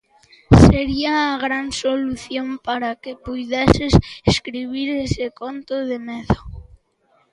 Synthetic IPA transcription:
seɾiaːɣɾansoluθjompaɾakepujðeseseskɾiβ̞iɾesekont̪oðemeðo

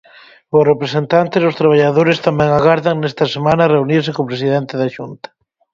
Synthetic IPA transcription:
ʊsrepɾesent̪ant̪ɪzʊst̪ɾaβ̞aʎaðoɾɪst̪amɛŋaɣaɾðɐŋnɛst̪ɐsemãnɐreuniɾs̬ɪkopɾes̬iðɛnt̪ɪðaʃunt̪ɐ̥

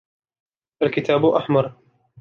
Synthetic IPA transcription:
ʔalkɪt̪aːbʊʔaħmɑɾˤ

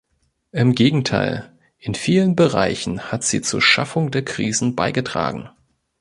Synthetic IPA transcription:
ʔɪmɡeːɡŋ̩tʰa̰ɪl | ʔɪnfiːlənbəʁa̰ɪçn̩hatz̥ḭːt͡suːɐʃa̰fʊŋdeːɐkʁ̥iːzn̩baɪɡətʁ̥a̰ːɡŋ̩

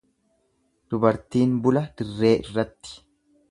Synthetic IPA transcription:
d̪̥ʊbɐɾt̪iːnbʊlɐd̪ɪrːe̞ːʔɪrːɐt̪ːɪ̥

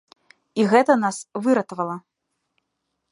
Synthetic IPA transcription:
iɣɛt̪ɐnasvɨɾɐt̪vɐlˠɐ

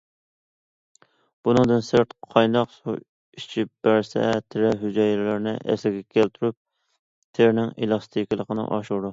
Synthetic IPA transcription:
b̥unɨŋd̪ɨnsɪɾt̪qʰɑjnɑqsu | i̥t͡ʃʰip̚b̥æɾsɛ̰t̪ʰɪɾɛɦyd͡ʒɑjɾlɪɾnɪʔɛ̰slɪɡʲɛkʲʰɛlt̪ʰyɾyp̚ | t̪ʰeɾnɪŋelˠɑst̪ʰikʲɪlˠəqənɨ̰ʔɑʃuɾd̪u

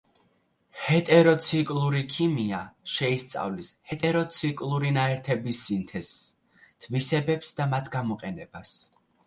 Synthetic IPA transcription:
hɛt̪ʼɛɾɔt̪sʰikʼlˠuɾikʰimiaʃɛist̪sʼa̰vlishɛt̪ʼɛɾɔt̪sʰikʼlˠuɾinaɛɾt̪ʰɛbisːint̪ʰɛs | t̪ʰvisɛbɛpsd̪amat̪ʰɡ̥amɔqʼɛnɛbas

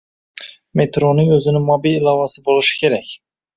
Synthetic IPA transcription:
met̪ɾonɪɵzɪnɪŋmɒbililˠɑvɑsɪbolˠɪʃɪ̥kʲʰe̞ɾækʲ

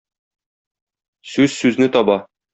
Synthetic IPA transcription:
sʉz̥sʉznɘt̪ɒbɑ

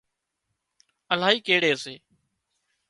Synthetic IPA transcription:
əlaːiːkeːɽeːseː

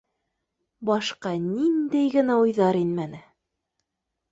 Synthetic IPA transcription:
bɑʃqɑnind̪æjɡɘ̆næujðɑɾinmænɘ

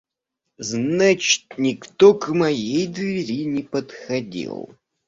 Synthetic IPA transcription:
znat͡ɕɪ̥t̪nʲɪkt̪okmɐjejd̪vʲɪɾʲinʲɪpət̪xɐdʲḭlˠ

